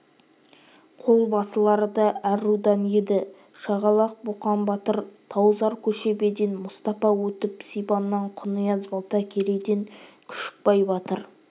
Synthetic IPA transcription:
qʰo̞lˠbɑsəlˠɑɾəd̪ɑʔæɾud̪ɑnjed̪ɪ | ʃɑʁɑlˠɑq̚buqɑnbɑt̪əɾt̪ʰɑwzɑɾkʲʰɵʃe̞be̞d̪enmʊst̪ɑfɑwɵt̪ɪpsijbɑnːɑɴqʰʊnəjɑzbɑlˠt̪ɑkʲʰe̞ɾed̪e̞ŋkʲʰʏ̥ʃɪ̥k̚bɑjbɑt̪əɾ

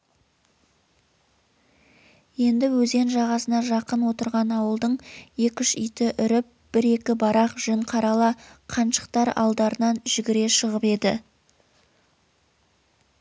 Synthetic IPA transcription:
je̞nd̪ɪwɵze̞nʒɑʁɑsənɑʒɑqənwo̞t̪əɾʁɑnɑwəlˠd̪əɴje̞kʲɪʃʏjt̪ɪʔʏɾɪp̚b̥ɪɾe̞kʲɪbɑɾɑqʒ̥ɪɴqʰɑɾɑlˠɑqʰɑnʃə̥qt̪ɑɾɑ̰lˠd̪ɑɾənɑnʒ̥ɪɡʲɪɾe̞ʃəʁəpe̞d̪ɪ̰

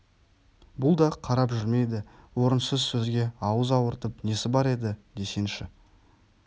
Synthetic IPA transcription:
bʊlˠd̪ɑqʰɑɾɑpʒʏɾme̞jd̪ɪwo̞ɾənsəzsɵzɡʲe̞ɑwəzɑwəɾt̪əpne̞sɪbɑɾe̞d̪ɪd̪e̞se̞nʃɪ

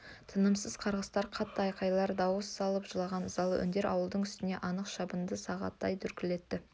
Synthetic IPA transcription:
t̪ʰənəmsəz̥qʰɑɾʁəst̪ɑɾqʰɑt̪ːəɑjqɑjlˠɑɾd̪ɑwəsːɑlˠəpʒəlˠɑʁɑnəzɑlˠə̰ʔɵ̰nd̪eɾɑwəlˠd̪əɴʏst̪ɪne̞ʔɑnəqʃɑbənd̪əsɑʁɑ̰t̪ːɑ̰jt̪ʰʏɾkʲɪle̞t̪ːɪ

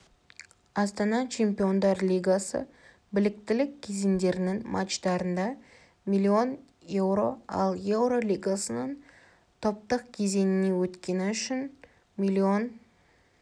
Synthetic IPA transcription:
ɑst̪ɑnɑt͡ʃʰe̞mpijo̞nd̪ɑɾlʲijɡasə̰ | bɪlɪk̚t̪ɪlɪkʲkʲʰːe̞ze̞nd̪e̞ɾɪnɪŋmʔat̪ʃd̪ɑɾənd̪ɑ | mʲilʲːio̞n | je̞wɾo̞ɑ̰lˠje̞wɾo̞lʲijɡasənɑn | t̪ʰo̞p̚t̪əq̚kʲʰe̞ze̞nɪne̞wɵt̪kʲe̞nɪʏʃɪn | mʲilʲːio̞n

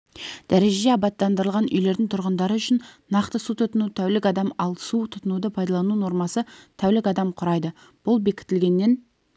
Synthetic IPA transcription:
d̪̥æɾe̞ʒeeɑbɑt̪ːɑnd̪əɾəlˠʁɑnʔʏ̰jle̞ɾd̪ɪŋt̪ʰʊɾʁənd̪ɑɾəʏʃɪnnɑqt̪əsut̪ʰʊt̪ənut̪ʰæwlɪkɑd̪ɑmɑlˠsut̪ʰʊt̪ənud̪əpʰɑjd̪ɑlˠɑnuno̞ɾmɑsət̪ʰæwlɪkʲɑd̪ɑmqʰʊɾɑjd̪ə | b̥ʊlˠbe̞kʲɪ̥t̪ɪlɡʲe̞nːe̞n

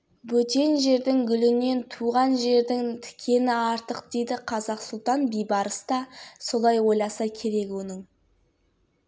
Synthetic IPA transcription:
bɵt̪e̞nʒe̞ɾd̪ɪŋɡʲʏlɪne̞nt̪ʰuʁɑnʒe̞ɾd̪ɪŋt̪ʰɪ̥kʲʰe̞nɪɑɾt̪əqd̪e̞jd̪ɪqʰɑzɑqsʊlˠt̪ɑnbijbɑɾəsd̪ɑso̞lˠɑjwo̞jlˠɑsɑkʲʰe̞ɾe̞kʲwonɪŋ

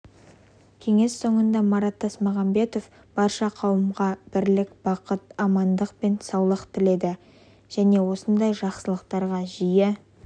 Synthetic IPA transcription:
kʲʰe̞ŋe̞sːo̞ɴənd̪ɑmɑɾɑt̪ːɑsmɑʁɑmbe̞t̪o̞f | b̥ɑɾʃɑqʰɑwəmʁɑb̥ɪɾlɪkb̥ɑqət̪ɑmɑnd̪əqpe̞nsɑwlˠəqt̪ʰɪle̞d̪ɪ | ʒ̥æne̞wo̞sənd̪ɑjʒɑqsəlˠəqt̪ɑɾʁɑʒijɪ

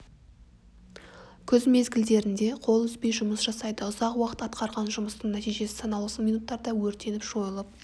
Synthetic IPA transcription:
kʲʰɵzme̞zɡʲɪld̪e̞ɾɪnd̪e̞qʰo̞lˠʏzpe̞jʒʊməsʒ̥ɑsɑjd̪əʊzɑqwɑqə̥t̪ɑt̪qɑɾʁɑnʒʊməst̪əɴnæt̪ijʒe̞sɪ̥sɑnɑw̪ˠəsəminut̪ːɑɾd̪ɑwɵɾt̪e̞nɪpʒ̥o̞jəlˠəp̚

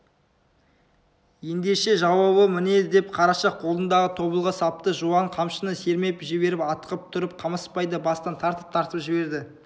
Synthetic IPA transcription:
je̞nd̪e̞ʃe̞ʒɑwɑβəmɪne̞ɪd̪e̞pqʰɑɾɑʃɑq̚qʰo̞lˠd̪ənd̪ɑʁət̪ʰo̞bəlˠʁəsɑp̚t̪əʒuwɑɴqʰɑmʃənəse̞ɾme̞pʒɪbe̞ɾɪpɑt̪ə̥qəp̚t̪ʰʊɾəp̚qʰɑməspɑjd̪əbɑst̪ɑnt̪ʰɑɾt̪əp̚t̪ʰɑɾt̪əpʒɪbe̞ɾd̪ɪ

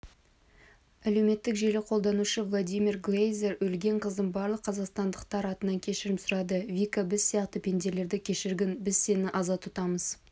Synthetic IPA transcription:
ælewme̞t̪ːɪkʒe̞lɪqʰo̞lˠd̪ɑnuʃɪvlˠod̪ʲijmʲirɡlejzeɾwɵlɡʲe̞ɴqʰəzd̪ənbɑɾlˠəqʰːɑzɑqst̪ɑnd̪əqt̪ɑɾɑt̪ənɑŋkʲʰe̞ʃɪɾɪpsʊɾɑd̪əvʲikabɪzsijɑqt̪əpʰʲe̞nd̪e̞ɾle̞ɾd̪ɪkʲʰe̞ʃɪɾɡʲɪnbɪzse̞nɪʔɑzɑt̪ʰʊt̪ɑməz̥

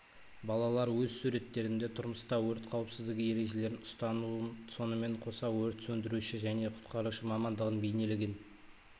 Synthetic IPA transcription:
bɑlˠɑlˠɑɾwɵzsuɾe̞t̪ːe̞ɾɪnd̪e̞t̪ʰʊɾməst̪ɑwɵɾt̪qʰɑwəpsɪzd̪ɪɡʲɪje̞ɾe̞ʒe̞le̞ɾɪnʊst̪ɑnuənso̞nəme̞ɴqʰo̞sɑwɵɾt̪sɵnd̪ɪɾuʃɪʒæne̞qʰʊ̥t̪qɑɾuʃəmɑmɑnd̪əʁənbe̞jne̞lɪɡʲɪn

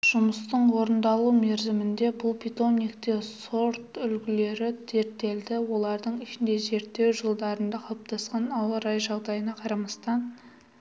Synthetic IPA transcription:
ʒ̥ʊməst̪əɴwo̞ɾənd̪ɑlˠume̞ɾzɪmɪnd̪e̞bʊlˠpʲʰit̪o̞nʲik̚t̪e̞so̞ɾt̪ʏlɡʲɪle̞ɾɪt̪ʰe̞ɾt̪ːe̞ld̪ɪwo̞lˠɑɾd̪əɴɪʃɪnd̪e̞ze̞ɾt̪ːe̞wʒəlˠd̪ɑɾənd̪ɑqʰɑlˠp̚t̪ɑsqɑnɑwəɾɑjʒɑʁd̪ɑjənɑqʰɑɾɑmɑst̪ɑn

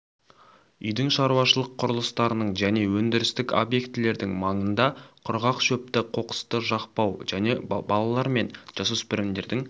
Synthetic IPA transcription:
ʏjd̪ɪŋʃɑɾuwɑʃəlˠəqʰːʊɾəlˠəst̪ɑɾənəɴʒæne̞wɵnd̪ɪɾɪst̪ɪko̰bje̞kt̪ɪle̞ɾd̪ɪŋmɑɴənd̪ɑqʰʊɾʁɑqʃɵp̚t̪ɪqʰo̞qə̥st̪əʒɑqpɑwʒ̥æne̞bɑlˠɑlˠɑɾme̞nʒ̥ɑsəspɪɾɪmd̪e̞ɾd̪ɪŋ

